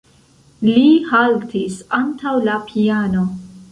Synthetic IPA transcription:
lihaltʰisantawlapʰiano̞

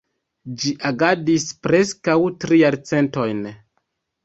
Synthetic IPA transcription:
d͡ʒiʔaɡadispɾe̞skawtɾijaɾt͡se̞nto̞jn

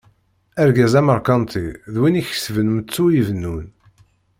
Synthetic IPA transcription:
æɾɡæzæməɾkɑnt̪ʰiðwiniç̥svənmət͡sːujivənːun

